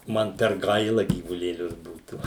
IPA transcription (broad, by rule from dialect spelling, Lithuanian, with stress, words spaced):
ˈmɐn pʲɛr ˈɡɐɪlˠɐ ɡʲiːʋʊlʲeːˈlʲʊs ˈbuːtuː